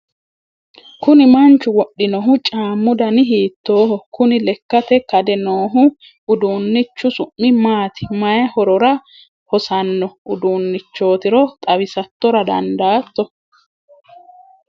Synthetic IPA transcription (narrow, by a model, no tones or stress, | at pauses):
kʊnɪmɐnt͡ʃːʊwɔɗːɪnɔɦʊt͡ʃʼaːmːʊd̪ɐnɪɦiːt̪ːo̞ːhɔkʊnɪlɛkːɐt̪ɛkɐd̪ɛnoːɦʊ | ʊd̪uːnːɪt͡ʃːʊsʊʔːɪmaːt̪ɪ̥mɐjɐhɔɾɔɾɐ | hɔsɐnːɔʔʊd̪uːnːɪt͡ʃːo̞ːt̪ɪɾɔt̪ʼɐβɪsɐt̪ːɔɾɐd̪ɐ̰nd̪aːt̪ːɔ